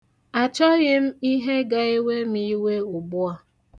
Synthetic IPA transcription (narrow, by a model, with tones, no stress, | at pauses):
a˨t͡ʃɔ˦ɣɪ˦m̩˦i˦ɦe˦ɡa˦e˦we˦m̩˦i˦we˦ʊ˨ɡ͡bʊ˦a˨